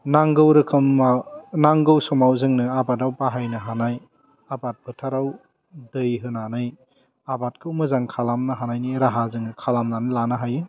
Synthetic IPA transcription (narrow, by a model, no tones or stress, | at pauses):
naŋɡɯwɾɯkʰɯmanaŋɡɯwsɔmawzɯŋnɯabadawpaɦajnɯɦanaj | abat̚bɯtʰaɾaw | dɯjɦɯnanɯj | abat̚kʰɯwmɯzaŋkʰalamnɯɦanajniɾaɦazɯŋnɯkʰalamnanɯlanɯɦajɯ